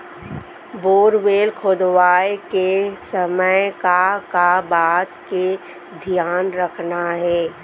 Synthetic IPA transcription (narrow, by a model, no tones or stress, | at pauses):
boːɾʋeːlkʰoːd̪ʋaːekesəməjkakabaːt̪ke | d̪ʱijaːnɾəkʰnaɦɛː